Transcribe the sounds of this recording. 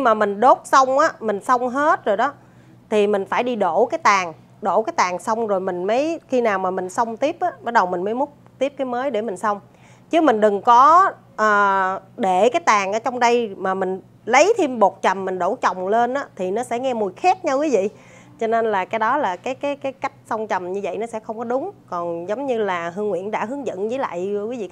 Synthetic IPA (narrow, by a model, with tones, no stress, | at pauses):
i˧maː˨˩mï˨˩ŋ̟ɗo˦˥t̚sa˧wŋ͡mʔaː˨˧˦mï˨˩ŋ̟sə˧wŋ͡mɦe˦˥t̚zo˨˩jɗɔ˨˦ | t̪ʰi˨˩mï˨˩ŋ̟faː˧˩jɗi˧ɗo˧˩kaː˨˦jt̪aː˨˩ŋ | ɗo˧˩kaː˨˦jt̪aː˨˩ŋsə˧wŋ͡mzo˨˩jmï˨˩ŋ̟mə˨˦jxi˧naː˨˩wmaː˨˩mï˨˩ŋ̟sə˧wŋ͡mt̪i˦˥əp̚ʔaː˨˦ɓaː˦˥t̚ɗə˨˩wmï˨˩ŋ̟məː˨˦jmʊ˦˥t̚ | t̪i˦˥əp̚kaː˨˦jməː˨˦jɗe˧˩mï˨˩ŋ̟sə˧wŋ͡m | t͡ɕɨ˨˦mï˨˩ŋ̟ɗɨ˨˩ŋkɔ˨˦ | ʔəː˨˩ɗe˧˩kaː˨˦jt̪aː˨˩ŋʔəː˧˦t͡ɕɔ˧wŋ͡mɗə˧jmaː˨˩mï˨˩ŋ̟ | lə˨˦jt̪ʰi˧mɓo˨˩t̚t͡ɕə˨˩mːï˨˩ŋɗo˧˩t͡ɕɔ˨˩wŋ͡mle˧nʔaː˨˦t̪ʰi˨˩nɔ˨˦sɛ̰˧˥ŋɛ˧mu˨˩jxa˦˥t̚ɲa˧kwi˨˦vḭ˧˨ | t͡ɕɔ˧ne˧nlaː˨˩kaː˨˦jɗɔ˨˦laː˨˩kaː˨˦jkaː˨˦jkaː˨˦jka˦˥jk̟̚sə˧wŋ͡mt͡ɕə˨˩mɲɨ˧və̰˧˨jnɔ˨˦sɛ˧˥xə˧wŋ͡mkɔ˨˦ɗʊ˨˦ŋ͡mkɔ˨˩nzə˨˦wŋ͡mɲɨ˧laː˨˩ɦɨ˧əŋwḭ˧˨ənɗa̰ː˧˥hɨ˨˦əŋzə̰˧˨nzəː˨˦jla̰ː˧˨jkwi˨˦vḭ˧˨